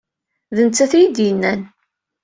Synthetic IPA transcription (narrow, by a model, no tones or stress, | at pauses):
ðənt͡sːæθjid̪jənːæn